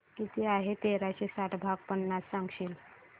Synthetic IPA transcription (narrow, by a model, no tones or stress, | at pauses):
kit̪iaɦet̪eɾaɕesaʈbʱaɡ̚pənːasːãŋɡɕiːl